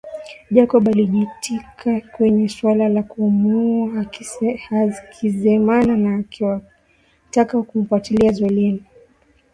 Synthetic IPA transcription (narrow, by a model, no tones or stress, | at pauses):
ʄakɔɓaliʄitʰikʰakwɛɲɛswalalakuumua | kʰizɛmananaːa | takakum̩fatiliazwɛlɛni